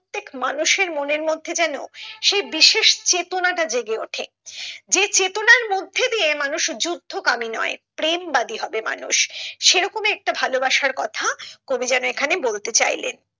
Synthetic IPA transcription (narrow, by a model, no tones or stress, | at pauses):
t̪ːekmanuʃeɾmoneɾmod̪ʱːed͡ʑɛno̰ʃejbiʃeʃt͡ɕet̪onaʈad͡ʑeɡeoʈʰe | d͡ʑet͡ɕet̪onaɾmod̪ʱːed̪iemanuʃd͡ʑud̪ʱːokaminɔ̰epɾembad̪iɦɔbema̰nṵʃʃeɾɔkomeɛk̚ʈabʱalobaʃaɾkɔt̪ʰakobid͡ʑɛnoekʰanebolt̪et͡ɕa̰jlḛn